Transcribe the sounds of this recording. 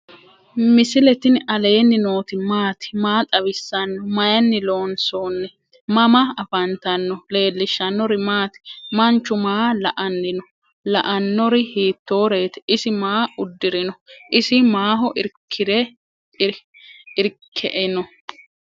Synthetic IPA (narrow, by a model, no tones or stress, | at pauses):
mɪsɪlɛt̪ɪnɐle̞ːnːɪno̞ːt̪ɪmaːt̪ɪ̥maːt̪ʼɐβɪsːɐnːɔmɐjɐnːɪlo̞ːnsoːnːɛ | mɐmɐɐfɐnt̪ɐnːɔle̞ːlːɪʃːɐnːɔɾɪmaːt̪mɐnt͡ʃːʊmaːlɐʔɐnːɪnɔ | lɐʔɐnːɔɾɪhiːt̪ːo̞ːɾe̞ːt̪ɪ̥ɪsɪmaːʊd̪ːɪɾɪnɔʔɪsɪmaːɦɔʔɪɾkʰːɪd̪ɛ | ɪɾkʰːɛʔɛnɔ